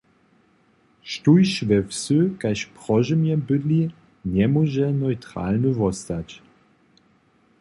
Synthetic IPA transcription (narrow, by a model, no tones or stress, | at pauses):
ʃtujʃvɛwsøkajʃpʁ̥ɔʒəmjɛbɘd̪li | nɛmɔʒɛnɔjtʁa̰lnəvɔst̪at͡ɕ